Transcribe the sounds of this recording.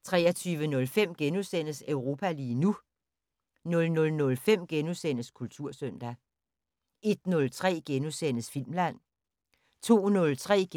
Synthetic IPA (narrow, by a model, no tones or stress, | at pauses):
t͡sʰʁɛ̰ːɐt͡sʰyːʋənɔ̽lfem̰ɡ̥enusen̰əsøʊʁo̝ːpʰæliːnu | nɔ̽lnɔ̽lnɔ̽lfem̰ɡ̥enusen̰əskʰult͡sʰuɐ̰søn̰d̥æ | e̝d̥̚nɔ̽lt͡sʰʁɛ̰ːɡ̥enusen̰əsfil̰mlæn̰ | t͡sʰo̝̰ːnɔ̽lt͡sʰʁɛ̰ː